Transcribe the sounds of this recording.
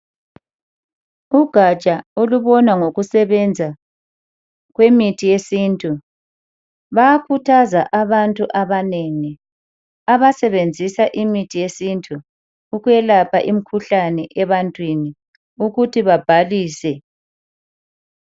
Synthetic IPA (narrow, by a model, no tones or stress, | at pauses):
uɡ̥ʱat͡ʃʼaoluβɔnwaŋoɣusɛβɛnd͡zʱa | ɣwemitʰijesintʼu | βaakʰutʰazaʔaβantʼuʔaβaneŋi | aβasɛβend͡zʱisaʔimitʰijesintʰʼuː | ɣujɛlapʰaʔim̩kʰuɬanɛʔɛβantʼwini | uɣutʰiβab̥ʱaliːsɛ